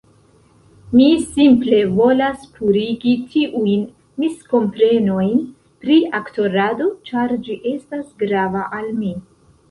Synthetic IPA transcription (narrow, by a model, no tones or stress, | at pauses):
misimple̞vo̞laspʰuɾiɡitiʔujn | misko̞mpɾe̞no̞jn | pɾiakto̞ɾado̞t͡ʃaɾd͡ʒiʔe̞stasɡɾavaʔalmi